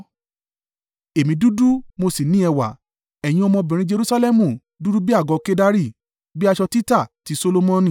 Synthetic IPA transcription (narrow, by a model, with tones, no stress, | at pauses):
e˨mĩ˧du˦du˦mo˧si˨nĩ˨˦ɛ˧wa̰˨ | ɛ˨j̃ĩ˧ɔ˧mɔ̃˧bĩ˨ɾ̃ĩ˧d͡ʒe˧ɾu˧˦sa˧lɛ˦mũ˨ | du˦ɾu˦bi˦a˦˨ɡɔ˧ke˦da˦ɾi˦˨ | bi˦a˧ʃɔ˧ti˦ta˦˨ti˨˧so˧lo˧mɔ̃˦nĩ˦˨